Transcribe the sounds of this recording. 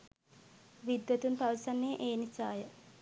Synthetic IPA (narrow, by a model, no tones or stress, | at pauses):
ʋid̪ːət̪unpaʋsanːeʔeːnisaːjə